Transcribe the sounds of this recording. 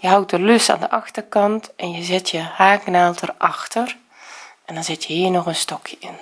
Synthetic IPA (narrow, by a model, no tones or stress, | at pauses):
jəɦawt̚dəløsta̰ːndəʔɑxtərkɑntʔɛnjəzɪtʰjəhaːknaːlˠtʰərʔɑxtər | ʔɛndɔnzɪtʰjəhiːnɔxənstɔkʰjəɪn